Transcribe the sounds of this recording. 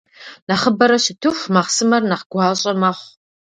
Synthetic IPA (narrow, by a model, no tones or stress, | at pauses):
nɐχəbɐɾɐʃɪtʰɨxʷmɐχsɨmɐrnɐχɡ̥ʷɑːɕʼɐmɐχʷ